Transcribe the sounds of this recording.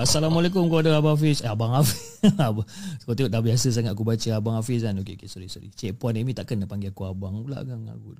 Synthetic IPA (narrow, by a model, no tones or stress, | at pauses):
asalamalek̬umkoadəabaafisaabaŋafiabakot̪ioʔdahbiasəs̬aŋat̪̚akubat͡ʃəabaŋafis̬kanokeokesoɾisoɾḭt͡ʃɛʔ̚pɔnemĩt̪aʔkənapaŋɡeakuabaŋula̰ʔkaŋa̰ku